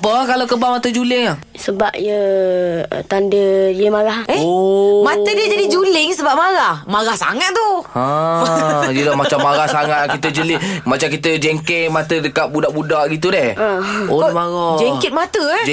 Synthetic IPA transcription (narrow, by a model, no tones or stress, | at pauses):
pəkalakəbamat̪əd͡ʒulɪŋah | səbap̚jə̰ | t̪andəjəmaɣaheomat̪ədiəd͡ʒadid͡ʒulɪŋsəbap̚maɣahmaɣahsa̰ŋat̪̚t̪ːuə̃ | jəlahmat͡ʃamːaɣahsaŋat̪̚kit̪əd͡ʒəlɪmat͡ʃamkit̪əd͡ʒɛŋkɪʔmat̪ədəkaʔ̚budaʔbudaʔɡit̪̬udɛhaomaɣad͡ʒɛŋkɪt̪̚mat̪ə